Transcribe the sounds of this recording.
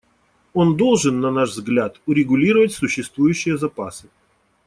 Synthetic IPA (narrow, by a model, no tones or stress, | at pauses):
o̞nd̪o̞lˠʐɨnːɐnaʐvzɡlʲat̪ʊɾʲɪɡʊlʲiɾəvətʲsʊɕːɪst̪vujʉɕːɪjəzɐpasɨ̥